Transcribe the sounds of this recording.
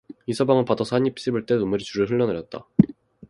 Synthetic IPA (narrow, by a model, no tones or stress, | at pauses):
isʰʌbaŋɯɭpadʌsʰaɲipʰi̥s͈ibɯɭt͈eumɯɾit͡ɕuɾɯɭɦɯɭːʌnɯɾjʌt̚t͈a̰